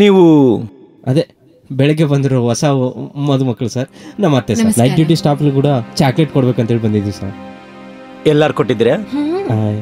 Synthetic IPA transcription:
niːʋu | ɐd̪e | bɛɭɐɡebɐnd̪iɾoɦɔsamɐd̪umɐkːɐɭusaɾnɐmɐɾt̪ːesaɾnɐjʈ̚ɖjuːʈ̬isʈaːpɐluk̬uːɽɐt͡ʃaːkleʈkoɽbe̞ːkɐnt̪ɐeɭibɐnd̪id̪iʋusa̰ːɾ | ɛlːaɾukoʈːid̪ɾea

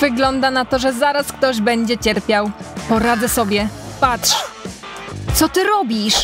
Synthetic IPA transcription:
vɘɡlɔnd̪anat̪ɔʐɛzaɾaskt̪ɔʑbɛɲd͡ʑɛt͡ɕɛɾpʲjawpɔɾad̪zɛsɔbʲjɛpatʂ | t̪sɔt̪ɘɾɔbʲiʂ

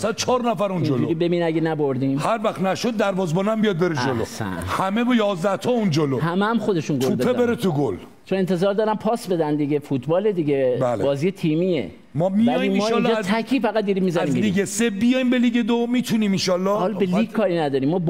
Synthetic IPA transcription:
sæd̪̚t͡ʃʰɒːɾnæfæɾund͡ʒoluoɾibe̞binæɡʲenæboɾd̪imhæɾvæxt̪næʃod̪̚ːæɾvɒːzbɒnæmbijɒd̪̚beɾed͡ʒolo̰sæ̰hæmebɔjɒːzd̪æht̪ʰɔund͡ʒolohæmeæmχod̪e̞ʃunɡouepʰebeɾet̪ʰuɡol | t͡ʃʰoent̪ʰezɒːɾd̪ɒːɾæmpʰɒːsbe̞d̪ænd̪iɡʲefut̪ʰbɒːle̞d̪iɡebælbɒːziːjet̪ʰiːmijḛ | mɒmiæjiimɒːnld͡ʒt̪ʰækʰiːfæɡæt̪̚d̪iːɾimizænzimliɡesebijɒjimbeliɡed̪omit̪ʰuniminʃɒlːɒhɒlbeliːɡkʰɒːɾinæd̪ɒːɾimːɒːb

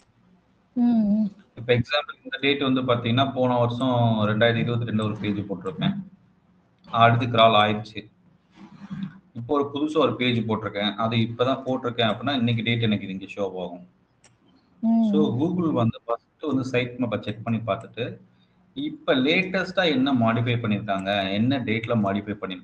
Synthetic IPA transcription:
ɪpːɐɛksaːmpɐlnd̪ɐɖeːʈːʋɐnd̪ɯpaːɾt̪ĩːŋɡɐnːaːpoːnɐ̃ʋɐɾsɔ̃ɾɛɳɖaːjɾðɯɪɾɯbɐt̪ːɯɾɛɳɖɯɔɾɯpeːd͡ʒɯpoːʈːɪɾɯkːẽː | ɐɐɽɯðːɯkɪɾaːlaːjɪɾt͡ʃːɯ | ɪpːoɔɾɯpʊðʊsɐ̃ɔɾɯpeːd͡ʒɯpoːʈːɪɾɯkːẽːʔɐðɯɪpːɐt̪ãːpoːʈːɪɾɯkːẽːɐpːɐnːaːɪnːɛk̬ːiɖeːʈ̬ɛnɐkːɪðɪŋɡɐʃoːpaːɣʊ̃ | soːɡuːɣɭʋɐnd̪ɯfɐsʈːɯʋɐnd̪ɯsɐɪʈ̚mɐpɐt͡ʃɛk̚ːpɐɳːipaːɾt̪ɯ̥ʈːɯ | ɪpːoleːʈɐsʈaːɛnːɐmaːɽɪfɐɪpɐɳːɪɾɯkːaːŋɡɐɛnːɐɖeːʈːlɐmaːɽɪfɐɪpɐɳːɪnʊ̃

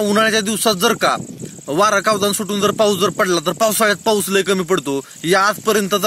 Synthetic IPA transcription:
uɽ̤at͡ɕjad̪iʋsat̪̚d͡zəɾka̰ | ʋaɾakaʋd͡z̪ansuʈuːnd͡zəɾpawt͡sd͡zəɾpəɽlat̪əɾpawsajat̪̚pawsləjkəmiːpəɽt̪o | jad͡z̪pəɾjənt̪ət̪

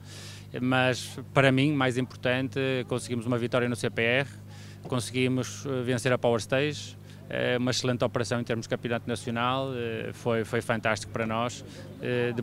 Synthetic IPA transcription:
mɐʃpɐɾɐmĩmajzĩmpuɾt̪ɐ̃nt̪ɨkõsɨɣimuzumɐvit̪ɔɾjɐnusepeɛʁ | kõsɨɣimʊʃɛvẽseɾɐpawɐɾʃt̪ejʒ | ɛ̰umɐʃlˠẽnt̪ɔpɨɾɐsɐ̃w̃ẽt̪eɾmuʒd̪kɐ̃mpjunat̪unɐsjunalˠɛfojfojfɐ̃nt̪aʃt̪i̥ku̥pɐɾɐnɔʃ | ɛðɨ

